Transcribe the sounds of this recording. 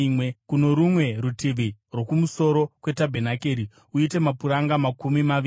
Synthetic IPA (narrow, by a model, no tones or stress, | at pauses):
wekuno̞ɾumwe̞ɾutiʋirwo̞kumuso̞ɾo̞kwe̞tabʱenakeːɾi | uite̞mapuɾaŋɡamakumimaʋi